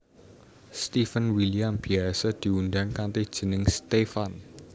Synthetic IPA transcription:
st̪ifənwiliambiasad̪̥i̤undaŋkant̪ed̥ʒ̥ə̤nɪŋst̪efan

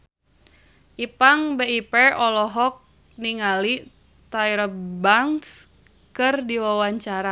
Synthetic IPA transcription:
ʔipaŋbeipɛɔlɔɦɔk̚ | niŋali | t̪aiɾəbaŋs | kɨrdiwawaɲt͡ʃaɾa

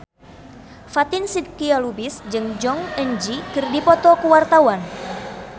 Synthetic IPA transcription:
fat̪ɪnsid̪̚kialubisd͡ʒɨŋd͡ʒɔŋəɲd͡ʒikɨrdipɔt̪ɔkəwart̪awan

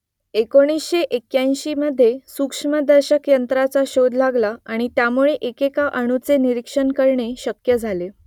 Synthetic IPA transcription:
ekoɽ̃isɕeʔekjãj̃ɕiːməd̪ʱːjesukʂməd̪əɾɕəkjənt̪ɾat͡saɕod̪laɡlaaɽ̃it̪jamuɭeʔekekaʔəɽ̃ut͡seniɾikʂənkəɾɳeɕəkjəd͡zʱale

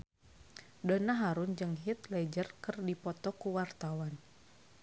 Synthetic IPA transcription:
dɔnaɦaɾund͡ʒɨŋɦit̪lɛd͡ʒərkɨrdipɔt̪ɔkuwart̪awan

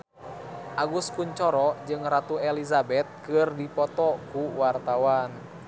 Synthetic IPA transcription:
ʔaɡuskuɲt͡ʃɔɾɔd͡ʒɨŋɾat̪uɛlizabɛt̪̚kɨrdipɔt̪ɔkuwart̪awan

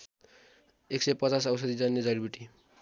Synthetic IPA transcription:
eksejpʌt͡sas̬ʌws̬ʌd̪id͡zanːed͡zʌlbiʈi

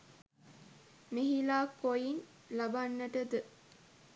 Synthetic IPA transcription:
miɦilaːkojin | labanːəʈəd̪ə

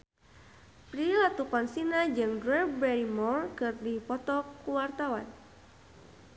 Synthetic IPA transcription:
pɾilat̪ukɔnsinad͡ʒɨŋdɾɛbɛɾimɔrkɨrdipɔt̪ɔkuwart̪awan

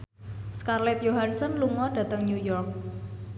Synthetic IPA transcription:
skarlɛt̪joɦansɔnluŋɔɖ̥ä̤t̪əŋnjujɔrk̚

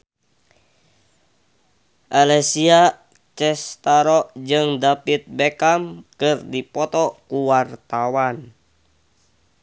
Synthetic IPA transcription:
ʔalɛsia | t͡ʃɛst̪aɾɔd͡ʒɨŋdapit̪̚bɛkamkɨrdipɔt̪ɔkuwart̪awan

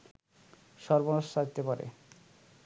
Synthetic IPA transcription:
ʃɔɾbonoʃt̪ʰad͡ʑt̪epaɾḛ

